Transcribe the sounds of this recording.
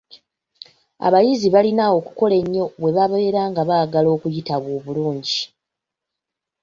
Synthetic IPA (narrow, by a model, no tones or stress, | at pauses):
a̰βajiziβalinawo̞kuko̞le̞ɲːo̞βwe̞βaβaeɾaːŋɡaβaːɡalo̞ːkujitaβwoːβuluːɲɟi